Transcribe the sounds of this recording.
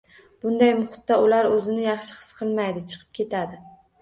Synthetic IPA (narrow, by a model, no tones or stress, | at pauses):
b̥ʊnd̪ajmʊχʊ̥t̪ːaʊlaɾɵzɪnɪjɑχʃɪ̥hɨ̥sqʰɨlˠmajd̪ɪt͡ʃʰɨ̥qʰɨ̥p̚kʲʰe̞t̪ʰad̪ɪ